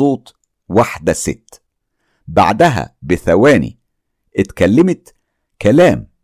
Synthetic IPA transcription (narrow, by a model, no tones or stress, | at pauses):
oːt̪ˤ | waħd̪æsɪ̰t̪ː | ba̰ʕd̪æɦæ̰bɪθæwæːnḭ | ʔɪt̪kælːɪmɪt̪ | kælæːm